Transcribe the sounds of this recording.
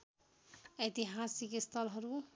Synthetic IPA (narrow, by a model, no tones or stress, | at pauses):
et̪iɦasikist̪ʰʌlɦʌɾu